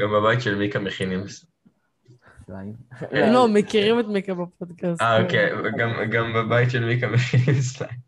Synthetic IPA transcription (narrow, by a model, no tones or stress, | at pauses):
ɡambabajit̪ʃelmikameχinims | lomekiʁimet̪mikabapod̪kasaokeɡamɡambabajit̪ʃelmikameχinimsla